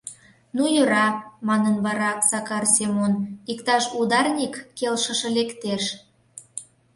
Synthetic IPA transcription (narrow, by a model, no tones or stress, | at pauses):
nujøɾɑmɑnənβɑɾɑsɑkɑrsemonikt̪ɑʃud̪ɑrnʲikːelʃə̆ʃɤ̆lekt̪eʃ